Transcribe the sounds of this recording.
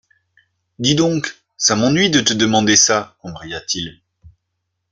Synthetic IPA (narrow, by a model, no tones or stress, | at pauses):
d̪id̪ɔ̃k | samɑ̃nɥid̪ət̪əd̪əmɑ̃d̪esaɔ̃bʁijat̪ʰil